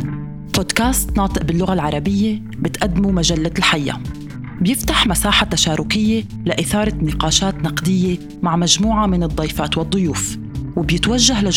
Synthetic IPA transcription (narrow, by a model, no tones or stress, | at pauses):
pod̪kaːst̪nɑːt̪ˤɨʔbɪlːʊɣalʕɑɾˤɑbɪjːe | bɪt̪ʔad̪ːmumaʒalːalħajːa̰ | bjɪft̪aħmasaːħat̪aʃaːɾʊkɪjːe | laʔɪθɑːɾˤɑnɪqɑːʃaːt̪nɑqd̪ɪjːe | maʕmaʒmuːʕamɪnɨd̪ˤːɑjfaːt̪wɨd̪ˤːʊjuːf | wɪbjɪt̪waʒːahla